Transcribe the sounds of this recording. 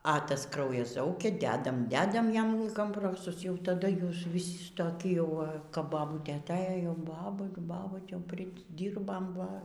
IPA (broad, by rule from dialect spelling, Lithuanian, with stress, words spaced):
ɐ ˈtɐs ˈkrɐʊjɛs ˈzɐʊkʲɛ ˈdʲæːdɐm ˈdʲæːdɐm ˈjɛm koːmˈproːsʊs ˈjɛʊ tɐˈdɐ ˈjuːs ʋʲɪˈsʲɪ toːˈkʲɪ jɛʊ kɐp bɐˈbuːtʲeː ɐˈtʲeːjoː jɛʊ ˈbɑːbʊ ˈbɑːbuːtʲ ˈjɛʊ pʲrʲɪˈdʲiːrbɐm ˈʋɐ